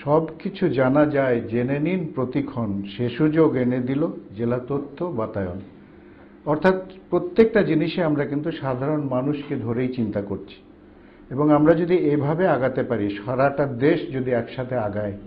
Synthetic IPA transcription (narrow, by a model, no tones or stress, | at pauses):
ʃɔbkit͡ɕʰud͡ʑanad͡ʑaed͡ʑeneninpɾot̪ikʰːonʃeʃud͡ʑoɡened̪ilod͡ʑelat̪ot̪ʰːobat̪ajon | ɔɾt̪ʰat̪pɾot̪ːek̚ʈad͡ʑiniʃeamɾakint̪uʃad̪ʱaɾonmanuʃked̪ʱoɾejt͡ɕint̪akoɾt͡ɕʰi̥ | eboŋamɾad͡ʑod̪iejbʱabeaɡat̪epaɾiʃaɾaʈaɾd̪eʃd͡ʑod̪iɛkʃat̪ʰeaɡae